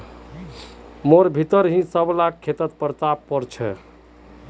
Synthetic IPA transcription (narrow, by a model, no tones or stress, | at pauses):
moɾbʱit̪əɾɦĩsəblakʰːet̪ət̪pəɾt̪appəɾt͡ʃʰɛ̰